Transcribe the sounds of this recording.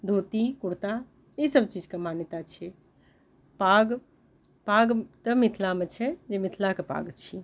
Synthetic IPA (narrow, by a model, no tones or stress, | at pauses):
d̪ʱoːt̪ikuɽt̪a | isəbt͡ʃid͡ʒkemanjət̪at͡ʃʰiɛ | paɡ | paɡt̪əmit̪ʰlamet͡ʃʰɛd͡ʒemit̪ʰlakepa̰ɡt͡ʃʰi